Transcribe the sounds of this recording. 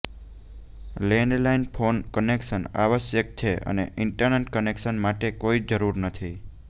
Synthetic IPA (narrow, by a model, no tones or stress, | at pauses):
lenlainpʰonkənekʃəna̰ʋəʃjək̚t͡ʃʰeə̰nḛʔɪɳʈəɾneʈkənekʃənmaʈekoid͡ʒəɾuɾnət̪ʰi